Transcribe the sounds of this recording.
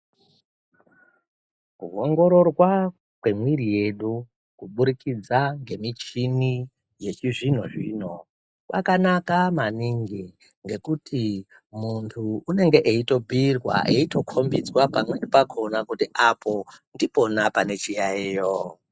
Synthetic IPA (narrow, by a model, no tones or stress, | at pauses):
kuoŋɡo̞ɾo̞rwa | kwe̞mwirije̞ɗu | kuɓuɾikid͡zaŋɡe̞mit͡ʃini | je̞t͡ʃiʐinoʐino | pakanakamaniŋɡi | ŋɡe̞kuti | muntʰuːne̞ŋɡe̞ʔeito̞bʱirwa̰ʔeito̞kʰo̞mbid͡zwapamweɗipakʰonakutiʔapʰo̞ndipo̞napane̞t͡ʃijaiːjo